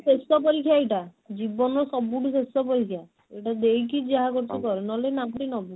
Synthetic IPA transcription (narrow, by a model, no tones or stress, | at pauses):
sesɔpɔɾikʰjaeʈa | d͡ʒibɔnɔɾsɔbːuʈisesɔpɔɾikʰija | eʈad̪ejkid͡ʒeɦakoɾt͡ʃikɔɾenɔlenapʈinɔbu